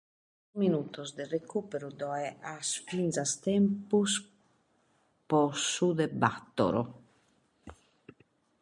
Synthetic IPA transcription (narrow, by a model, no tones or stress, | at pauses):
minuːt̪ɔzd̪ɛrekuːpeɾud̪ɔɛʔasfinzast̪ɛmpus | pɔsud̪ɛbat̪ːɔ̰ɾɔ̰